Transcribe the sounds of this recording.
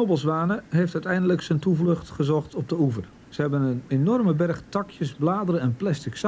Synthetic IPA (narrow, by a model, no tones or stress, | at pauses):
obəlˠsʋaːnəɦejftœɥtɛjndələksəntuvlɵχtχəzɔχtɔb̚dəuvər | səhɛbənənenɔrməbɛrχtɑkʰjəsblaːdərəɛnplɛstɪks